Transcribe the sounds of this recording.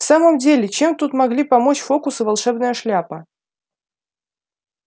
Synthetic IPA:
saməmdʲelʲɪt͡ɕemt̪ut̪mɐɡlʲipɐmot͡ɕfokʊsɨvɐlˠʂɛbnəjəʂlʲapə

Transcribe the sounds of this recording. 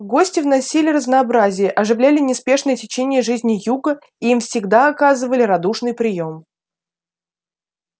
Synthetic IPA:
ɡo̞sʲtʲɪvnɐsʲilʲɪrəznɐːbɾazʲɪjəʔɐʐɨvlʲælʲɪnʲɪspʲe̞ʂnəjətʲɪt͡ɕenʲɪjəʐɨzʲnʲɪjuɡə | iimfsʲɪɡd̪aɐkazɨvəlʲɪɾɐd̪uʂnɨjpɾʲɪjo̞m

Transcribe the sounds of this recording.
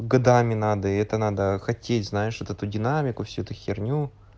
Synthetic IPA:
ɡɐd̪amʲɪnad̪əɛt̪ənad̪əxɐtʲʰetʲznajɪʂvot̪ɛt̪ʊdʲɪnamʲɪkʊfsʲuɛt̪ʊxʲɪrnʲu

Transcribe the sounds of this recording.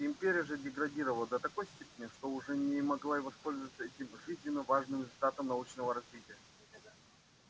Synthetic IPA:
ɪmʲpʲeɾʲɪjəʐɛdʲɪɡɾɐdʲiɾəvəlˠəd̪ət̪ɐko̞jsʲtʲepʲɪnʲɪʂt̪oʊʐɛnʲɪmɐɡlˠaɪvospo̞lʲzəvət̪səɛtʲɪmʐɨzʲnʲɪnːəvaʐnɨmɾʲɪzʊlʲt̪at̪əmnɐut͡ɕnəvəɾɐzvʲitʲɪjə

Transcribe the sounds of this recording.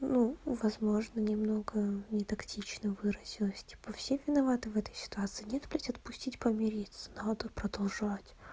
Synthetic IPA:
nuvɐzmo̞ʐnənʲɪmno̞ɡənʲɪt̪ɐktʲit͡ɕnəvɨɾəzʲɪlˠəsʲtʲi̥pəfsʲevʲɪnɐvat̪ɨvɛt̪ə̥jsʲɪ̥t̪ʊat̪sɨːnʲet̪pɾʲatʲɐt̪̚pʊsʲtʲitʲpəmʲɪɾʲit̪sə̥nad̪əpɾəd̪ɐlˠʐatʲ

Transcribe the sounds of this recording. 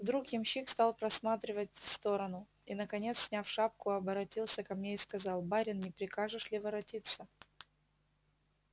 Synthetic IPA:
vd̪ɾukjɪmɕikst̪alˠpɾɐsmat̪ɾʲɪvət̚ʲfst̪o̞ɾənʊ | inəkɐnʲe̞t̪ssʲnʲafʂap̚kʊɐbəɾɐtʲilˠsʲəkɐmnʲeɪskɐzɑlˠbaɾʲɪnnʲɪpɾʲɪkaʐɨʂlʲɪvɐɾɐtʲit̪sːə

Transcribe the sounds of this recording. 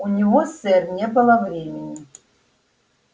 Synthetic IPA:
unʲivɔsɛrnʲɛbɨlˠɐvɾʲemʲɪnʲɪ

